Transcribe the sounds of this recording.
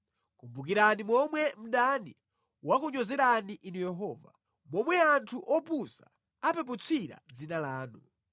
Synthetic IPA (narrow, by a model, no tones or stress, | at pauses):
kumbuk̬iɾanimɔmwɛm̩ɗani | wakuɲɔzɛɾaniʔinujɛɦɔːva̰ | mɔmwɛantʰuʔɔpusa | apɛput͡sʰiɾa̰d͡zinalaːnu